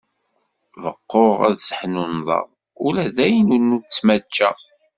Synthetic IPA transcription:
vəqːoʁæ̰ðsə̥ħnunðˤɑ̰ʁ | ʊlæðæjnunːut͡sːmæt͡ʃːæ

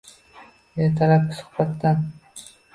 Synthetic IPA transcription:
jat̪ʰaɾap̚ɪsʊ̥hbat̪ːan

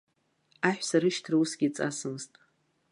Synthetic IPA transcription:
aħʷᶣsaɾɨʃtʰrusɡʲit͡sʼa̰sɨmztʼ

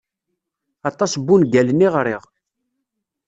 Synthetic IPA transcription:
ɑt̪ˤːɑsbːunɡælnːiʁɾiʁ

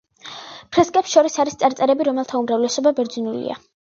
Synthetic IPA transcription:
pʰɾɛskʼɛpsʃɔɾisaɾist̪sʼaɾt̪sʼɛɾɛbiɾɔmɛlˠt̪ʰaumɾavlɛsɔbabɛɾd̪zinulḭa̰

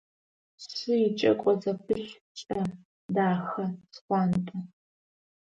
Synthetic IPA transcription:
sɨit͡ʃʼɐ̰kʷʼɔzɐpʰɨɬ | t͡ʃʼɐ | daːxɐsχʷɑːntʼɐ

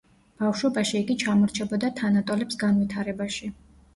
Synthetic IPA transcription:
b̥afʃwɔbaʃiːɡit͡ʃʰamɔɾt͡ʃʰɛbɔd̪at̪ʰanat̪ʼɔlɛpsɡanwit̪ʰaɾɛbaʃi

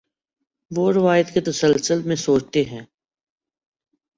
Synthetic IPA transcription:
ʋoɾɪʋaːjət̪ket̪ɐsəlsəlmẽsoːt͡ʃt̪eɦɛ̃ː

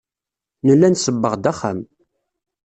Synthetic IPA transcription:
nəlːænsəbːəʁd̪æχæ̰m

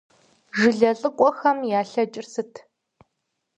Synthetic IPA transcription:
ʐɨɮɐɬʼɨqʷʼɔxɐmjaːɬɐt͡ʃʼɪrsɨtʰ

